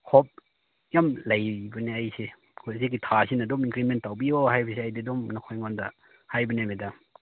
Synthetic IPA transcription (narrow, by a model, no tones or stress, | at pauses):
hʰop̚ | jamlɐjbɐneajse | kʰozikːitʰasinɐdomiŋkɾimentːawbiohajbɐseajdidomnɐkʰojŋondɐ | hajbɐnemeda